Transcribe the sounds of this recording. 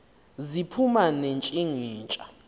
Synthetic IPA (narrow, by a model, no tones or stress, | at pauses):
zipʰumanent͡ʃʼiŋiːnt͡ʃʼa